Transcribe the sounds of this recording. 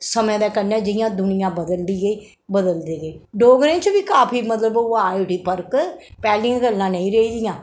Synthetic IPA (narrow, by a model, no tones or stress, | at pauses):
səmɛ̃d̪ɛːkəɾnɛ̃ːd͡ʒɪjãːd̪ʊnɪjãːbəd̪əld̪iːɡəiː | bəd̪əld̪iːɡəiːɖoːɡɾẽːt͡ʃʋiːkaːpʰiːmət̪ləbaːiʈiːpəɾkpɛːliãːɡəlːãːnəĩːɾeiːd̪ɪjãː